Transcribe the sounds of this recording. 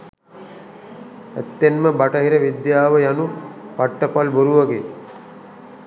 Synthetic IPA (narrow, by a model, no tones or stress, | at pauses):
ḛt̪ːenməbaʈɐɦiɾəʋid̪jaːʋəjanupaʈːəpalboɾuʋɐɡe